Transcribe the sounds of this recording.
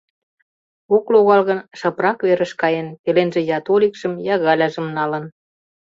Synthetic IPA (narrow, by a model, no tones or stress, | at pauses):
okloɣɑlɣənʃɑprɑkβeɾə̆ʃkɑjenpelenʒĕjɑt̪olʲikʃəmjɑɣɑlʲɑʒə̆mnɑlə̆n